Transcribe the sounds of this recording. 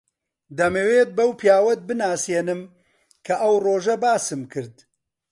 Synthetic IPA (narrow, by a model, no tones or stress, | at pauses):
d̪ɐmeweːt̪̚bɐwpʰijaːwɐt̪̚bɨnaːseːnɨm | kʰɐʔɐwroːʒɐbaːsɨmkʰɨɾd̪